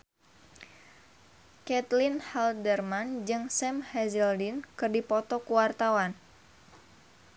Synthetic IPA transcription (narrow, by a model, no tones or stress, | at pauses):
kɛt̪linhɛldərmand͡ʒɨŋsɛmhɛzɛldinkɨrdipɔt̪ɔkuwart̪awan